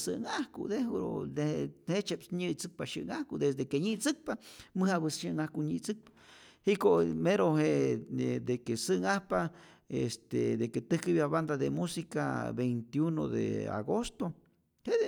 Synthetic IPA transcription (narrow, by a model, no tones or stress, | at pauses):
sɨ̰ʔŋahkṵd̪eɾo̰d̪ehet͡ʃepsɲɨt͡sɨk̚paʃɨʔŋahkud̪esd̪ekeɲit͡sɨk̚pamɨhaβɨsʃɨŋahkuɲit͡sɨk̚pḁhikomeɾoɦeed̪ekesɨŋahpa | est̪ḛd̪eket̪ɨhkɨβjaβand̪aðemusika̰bejnt̪juno̰d̪ḛa̰ɡost̪o | he